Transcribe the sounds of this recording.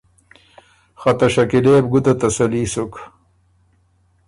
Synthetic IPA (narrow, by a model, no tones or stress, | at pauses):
xɐt̪ɐɕɐkileːbɡut̪ɐt̪ɐsɐliːsuk